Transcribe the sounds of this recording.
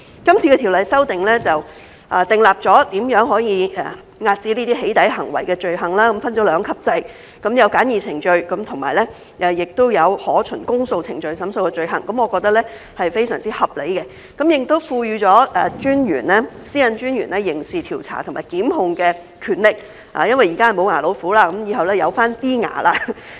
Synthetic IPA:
kɐ˥mt͡sʰi˧kɛː˧i˨˩wlɐ˨jsɐ˥wt̪ɪ˨ŋlɛː˥t͡sɐ˨w | ʔɐː˨t̪ɪ˨ŋlaː˨˩p̚t͡sɔː˨˥t̪iː˨˥mjœː˨˥ŋɦɔː˨˥jiː˨˧ɛ̰˨ | ŋaː˧t̚t͡siː˧˥liː˥t̪iː˥ɦe˨˥jt̪ɐ˨˥jɦɐ˨˩ŋwɐ̰˨˩jkɛ˧t͡ʃɵ˧ɥɦɐ˨˩ŋlaː˥kɐ˨˦mfɐ˥nt͡ʃɔː˨˥lœː˨˧ŋkʰɐ˥p̚t͡sɐ˧j | kɐ˨˥mjɐ˨˧wkaː˨˥njiː˨˩t͡sʰɪ˨˩ŋt͡ʃɵ˧ɥkɐ˨˦˥mt̪ʰʊ˨˩ŋmaː˨˩jlɛ˥ | ʔɛ˨˧jɪ˨k̚t̪o˥wjɐ˨˧whɔː˨˥t͡ʃʰɵ˨˩nkʊ˥ŋso˧wt͡sʰɪ̰˨˩ŋt͡ʃɵ˨˧ɥsɐ˨˥mso˧wkɛ˧t͡ʃɵ˧ɥɦɐ̰˨˩ŋkɐ˨˥mɔː˨˧kɔː˧k̚t̪ɐ˥k̚lɛ˥ | hɐ˨jfe˥jsœ̰ː˨˩ŋt͡siː˥hɐ˨p̚le˨˥jkɛ˧ | kɐ˨˥mjɪ˨k̚t̪o˥wfuː˧ɥyː˧t͡ʃɔː˨˥ɛː˨t͡ʃyː˥njy̰ː˨˩nlɛː˥siː˥jɐ˨˧nt͡ʃyː˥nɥyː˨˩nlɛ˥jɪ˨˩ŋsiː˨˩t̪ʰiː˨˩wt͡sʰa̰ː˨˩t̪ʰʊ˨˩ŋmaː˨˩jkiː˨˥mɦʊ˧ŋkɛː˧ | kʰyː˨˧nlɪ˨k̚ | a̰ː˨˦jɐ˥nwɐ˨˩jiː˨˩kaː˥˩mo˨˧wŋaː˨˩lo˨˧wfuː˨˥laː˥kɐ˨˥mjiː˨˧hɐ˨wlɛː˥jɐ˨˧wfaː˥nt̪iː˥ŋa̰ː˨˩laː˧

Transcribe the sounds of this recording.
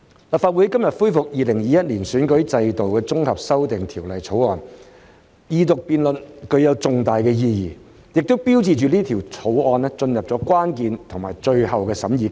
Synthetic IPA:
la˨p̚faː˧wu˨˥jkɐ˥mjɐ˨t̚fuː˥fʊ˨k̚jiː˨˧lɪ˨˩ŋjiː˨jɐ˥t̚liː˨˩nsyː˨˥nkɵ˨˥ɥt͡sɐ˧jt̪o˨wkɛː˧t͡sʊ˥ŋhɐ˨p̚sɐ˥wt̪ɪ˨ŋt̪ʰiː˨˩wlɐ˨jt͡sʰo˨˥wɔː˨˧n | jiː˧t̪ʊ˨k̚piː˧nlɵ˨nkɵ˧ɥjɐ˨˧wt͡sʊ˨ŋt̪aː˨jkɛː˧jiː˧jiː˨˩ | jɪ˨k̚t̪o˥wpiː˥wt͡siː˨˧t͡ʃyː˨liː˥t̪ʰi˨˩wt͡sʰo˨˥wɔː˧nɛ˥t͡ʃɵ˧njɐ˨p̚t͡sɔː˨˥kʷaː˥nkiː˨˧nt̪ʰʊ˨˩ŋmaː˨˩jt͡ʃɵ˧ɥhɐ˨wkɛː˧sɐ˨˥mjiː˨˧

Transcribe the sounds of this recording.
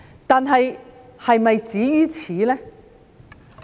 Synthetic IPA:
t̪aː˨nɦɐ˨jhɐ˨jmɐ˨jt͡siː˨˥jyː˥t͡sʰiː˨˦lɛː˥

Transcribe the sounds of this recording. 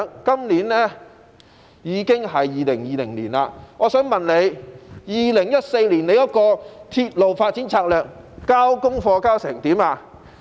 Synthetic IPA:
kɐ˥mliː˨˥nnɛː˥ | jiː˨˧kɪ˥ŋɦɐ˨jːiː˨lɪ˨˩ŋjiː˨lɪ˨˩ŋliː˨˩naː˧ŋɔː˨˧sœː˨˥ŋmɐ˨nle˨˧jjiː˨lɪ˨˩ŋjɐ˥t̚se˧jliː˨˩nne˨˧jɐ˥t̚kɔː˧t̪ʰi˧t̚lo˨˩wfaː˧t̚t͡si˨˥nt͡sʰaː˧k̚lœː˨k̚ | kaː˥wkʊ˥ŋfɔː˧kaː˥wsɛː˨˩ŋt̪iː˨˥maː˧

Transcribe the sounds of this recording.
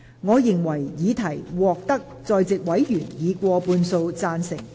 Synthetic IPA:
ŋɔː˨˧jɪ˨˩ŋwɐ˨˩jjiː˨˧t̪ʰɐ˨˩jwɔː˨k̚t̪ɐ˥k̚t͡sɔː˧jt͡sɪ˨k̚wɐ˨˥jjyː˨˩njiː˨˧kʷɔː˧puː˧nso˧wt͡saː˧nsɪ˨˩ŋ

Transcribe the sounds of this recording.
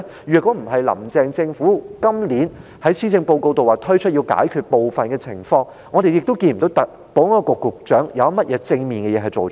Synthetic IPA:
ɥyː˨kɔ˨˥m̩˨˩ɦɐ˨jlɐ̰˨˩mt͡sɛː˨˧ŋt͡sɪ˧ŋfuː˨˥kɐ˥mliː˨˥n | hɐ˨˥jsiː˥t͡sɪ˧ŋpo˧wko˧wt̪o˨waː˨˩t̪ʰɵ˥t͡ʃʰɵ˥t̚jiː˧wka̰ː˨˥jkʰyː˨t̚po˨wfɐ˨nkɛː˧t͡sʰɪ̰˨˩ŋfɔː˧ŋ | ŋɔ˨˧t̪e˨jɪ˨k̚t̪o˥wkiː˧nm̩˨˩t̪o˨˥wt̪ɐ˨k̚ | po˨˥ŋaː˧kʊ˨kːʊ˨˩k̚t͡ʃœː˨˥ŋjɐ̰˨˧wmɐ˥t̚jɛː˨˥t͡sɪ˧ŋmiː˨nkɛː˧jɛː˨˧ɦɐ˨˩jt͡ʃo˨w

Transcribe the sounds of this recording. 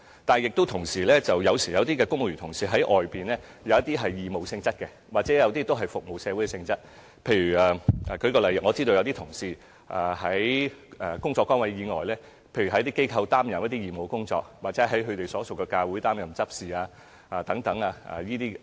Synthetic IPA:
t̪aː˨n˨jɪ˨k̚t̪o˥wt̪ʰʊ˨˩ŋsiː˨˩lɛː˥t͡sɐ˨wjɐ˨˧wsiː˨˩jɐ˨˧wt̪iː˥kɛː˧kʊ˥ŋ˨y˨˩t̪ʰʊ˨˩ŋsiː˨˧ɦɐ˨˥jʔɔː˨jpiː˨˩nlɛː˥ | jɐ˨˧wjɐ˥t̪̚iː˥ɦɐ˨jjiː˨mo˨wsɪ˧ŋt͡sɐ˥t̚kɛ˧ | waː˨˩t͡sɛː˨˥jɐ˨˧wt̪iː˥t̪o˥wɦɐ˨jfʊ˨k̚mo˨wsɛː˨˧wu˨˥jkɛ˨˧sɪ˧ŋt͡sɐ˥t̚ | pʰe˧jɥyː˨˩aː˨˩ʔkʰɵ˧jkɔː˧lɐ˨˩jkŋɔː˨˧t͡siː˥t̪o˧jɐ˧wt̪i˥t̪ʰʊ˨˩ŋsiː˧ | ʔaː˨hɐ˨˥jɛ˨˧kʊ˥ŋt͡sɔː˧kːɔː˥ŋwɐ˨˥jjiː˨˧ŋɔ̰ː˨jlɛː˥ | pʰe˧jy˨˩ɐ˨˥jt̪iː˥ke˥jkʰɐ˧wt̪aː˥mjɐ˨mjɐ˥t̪i˥jiː˨˩mo˨wkʊ˥ŋt͡sɔ̰ː˧k̚waː˨t̚t͡sɛ˨˥ɦɐ˨˥jɦɵ˨˧ɥt̪e˨jsɔː˨˥t͡so˨˩wkɛː˧kaː˧wu˨˥jt̪aː˥mjɐ˨˩mt͡sɐ˥p̚siː˨aː˧ | ʔaː˨˧t̪ɐ˨˥ŋt̪ɐ˨˥ŋaː˧a̰˧˩jiː˥t̪iː˥

